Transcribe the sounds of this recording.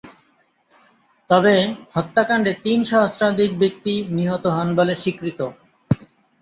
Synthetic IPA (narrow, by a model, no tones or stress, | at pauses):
t̪ɔbehɔt̪ːakaɳɖet̪inʃɔɦosɾad̪ʱik̚bik̚t̪iniɦot̪oɦɔnboleʃikɾit̪o